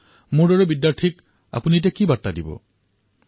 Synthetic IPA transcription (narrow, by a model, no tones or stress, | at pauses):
muɖɔɹɔbidjaɹʈʰik | a̰punit̬ekibaɹtadibɔ̰